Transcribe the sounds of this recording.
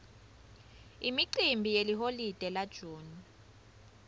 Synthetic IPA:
imiǃimbʱijeliɦolid̥ʱɛlad̥ʒ̥ʱuːni

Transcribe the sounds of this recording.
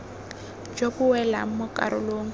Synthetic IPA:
d͡ʒobʊwɛlam̩mʊkʼa̰ɾʊ̰loːŋ̩

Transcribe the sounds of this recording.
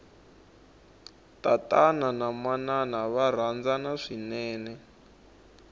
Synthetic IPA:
tatananamananaβaɾ̤and͡zanaʂinɛːnɛ

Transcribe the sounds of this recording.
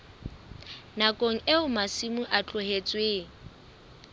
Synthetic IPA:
nakʼoŋ̩ʔeʊmasimʊʔat͡ɬʼʊɦet͡sʼweːŋ̩

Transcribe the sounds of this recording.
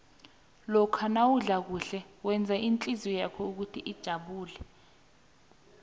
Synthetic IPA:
lɔkʰanawuɮak̬uɬɛwɛnd͡zʱaʔint͡ɬʼizɔjakʰɔuk̬utʰiʔid̥ʒ̥ʱaɓuːlɛ

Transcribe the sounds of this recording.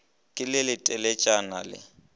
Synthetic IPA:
kʼɪlɪlɪtʼɛlɛt͡ʃʼanalɪ̰

